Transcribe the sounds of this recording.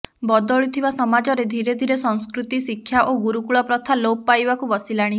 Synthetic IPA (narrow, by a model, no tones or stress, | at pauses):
bɔd̪ɔɭut̪ʰibasɔmad͡ʒɔɾed̪ʱiɾed̪ʱiɾesɔŋskɾut̪isikʰːjaʔoɡuɾukuɭɔpɾɔt̪ʰaloppajbakubɔsilaɽ̃i